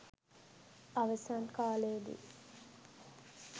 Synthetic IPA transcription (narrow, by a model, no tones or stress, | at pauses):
ɐʋəsankaːleːd̪ḭ